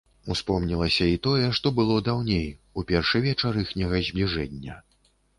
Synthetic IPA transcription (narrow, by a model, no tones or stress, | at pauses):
uspɔmnʲilˠɐsʲɐit̪ɔjɛʂt̪ɔbɨlˠɔd̪awnʲejupʲɛrʂɨvʲɛt͡ʂaɾɨxnʲɛɣɐzʲblʲiʐɛnʲːɐ